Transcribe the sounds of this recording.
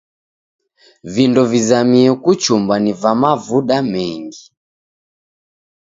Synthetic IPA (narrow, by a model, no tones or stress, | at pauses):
vindɔvizamiɛkut͡ʃumbanivamavuɗamɛŋɡi